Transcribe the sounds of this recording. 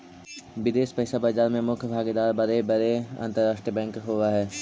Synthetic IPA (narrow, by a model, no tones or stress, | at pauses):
ʋɪd̪eːʃpəɦɪsabəːd͡ʒaːɾmẽmʊkʰjbʱaːɡed̪aːɾbɐɾebɐɾeɐ̰̃nt̪əɾːaːʃʈɾiəbɛ̃ːŋkɦoːɡaɦɛː